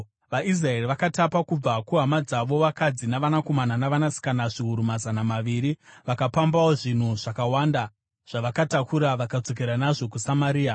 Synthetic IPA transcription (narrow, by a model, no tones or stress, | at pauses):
ʋais̬rae̞riʋakatapakub͡vakuɦamad͡zaʋo̞ʋakad͡zinaʋanako̞mananaʋanasi̥kanaʐiɦuɾumazanamaʋiːɾiʋakapambawo̞ʐin̤uʐ̥akawaːnda | ʐ̥aʋakatakʰuɾaʋakad͡zo̞k̬eɾanaʐo̞kusamaɾiːa